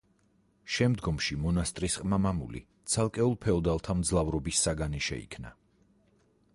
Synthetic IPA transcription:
ʃɛmd̪ɡɔmʃimɔnast̪ʼɾisqʼmamamṵlḭ | t̪sʰalˠkʼɛulˠpʰɛɔd̪alˠt̪ʰamd̪zlˠavɾɔbisːaɡaniʃɛ̰ḭkʰna̰

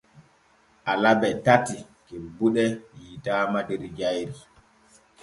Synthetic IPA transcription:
ʔalabɛtatikebuɗɛjitaːmadɛɾid͡ʒajɾi

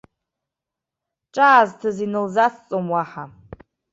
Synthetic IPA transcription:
ʈ͡ʂʼaːztʰɨzinɨlzat͡sʰt͡sʼomwaħa

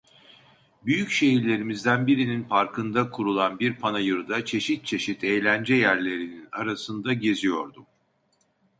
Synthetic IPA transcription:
byjycʃe̞ɦiɾlʲe̞ɾimizd̪ænbiɾininfaɾkʰɯnd̪akʰuɾulˠanbiɾpʰanajɯɾɯd̪at͡ʃʰe̞ʃit̪̚t͡ʃʰe̞ʃit̪ʰejlʲænd͡ʒɛjæɾlʲe̞ɾinina̰ɾasɯnd̪aɟe̞zijo̞ɾd̪u

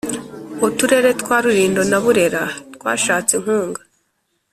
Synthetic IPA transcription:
otuɾe̞ɾe̞tkwaːɾuɾiːndo̞naβuɾe̞ɾatkwa̰ːʃaːt͡seŋ̥huːŋɡa

